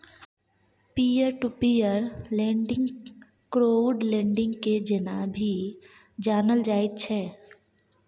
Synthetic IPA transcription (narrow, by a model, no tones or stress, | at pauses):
piːəɾʈupiːəɾlɛ̃ːɳɖɪ̃ŋɡ | kɾoːɖlɛ̃ːɳɖɪ̃ŋɡked͡ʒɪnabʱi | d͡ʒaːnəld͡ʒaːɪt̪̚t͡ʃʰɛː